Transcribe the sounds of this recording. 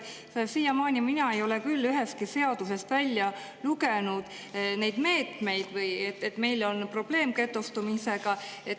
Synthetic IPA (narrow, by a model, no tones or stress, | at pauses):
esiːjɑmɑːnʲiminɑe̞jo̞lekylːyɦe̞st̪kise̞ɑd̪̥use̞st̪vælʲːjɑ | luɡe̞nud̪̥ | ne̞jd̪̥me̞ːt̪me̞jd̪̥vɯjet̪ːet̪ːˑme̞jlo̞npro̞b̥le̞ːmke̞t̪ːˑust̪umise̞ɡ̥ɑe̞t̪